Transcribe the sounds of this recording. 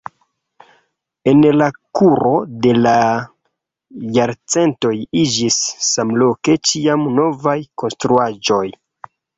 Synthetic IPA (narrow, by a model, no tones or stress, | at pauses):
e̞nlakuɾo̞de̞la | jaɾt͡se̞nto̞jid͡ʒisːamlo̞ke̞t͡ʃiamno̞vajko̞nstɾuad͡ʒo̞j